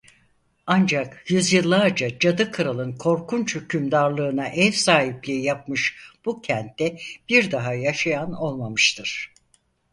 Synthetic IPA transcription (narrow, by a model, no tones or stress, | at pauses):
and͡ʒakjyzjɯlˠːaɾd͡ʒad͡ʒad̪ɯkʰɯɾalˠɯnkʰo̞ɾkʰunt͡ʃʰøcʰymd̪aɾlˠɯːnaʔɛvsaːɦiplʲiijap̚mɯʃb̥ucʰɛnt̪ːɛb̥iɾd̪aɦajaʃajano̞lˠmamɯʃt̪ʰɯɾ̥